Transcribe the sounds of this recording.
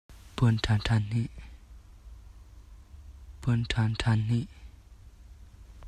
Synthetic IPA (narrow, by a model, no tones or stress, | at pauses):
pənʈ͡ʂʰaɳʈ͡ʂʰani | pənʈ͡ʂʰanʈ͡ʂʰani